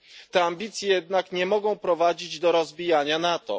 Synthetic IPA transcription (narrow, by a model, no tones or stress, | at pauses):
t̪ɛambʲit̪sʲjɛjɛd̪nakɲɛmɔɡɔ̃w̃pɾɔvad͡ʑid͡ʑd̪ɔɾɔzbʲijaɲanat̪ɔ̰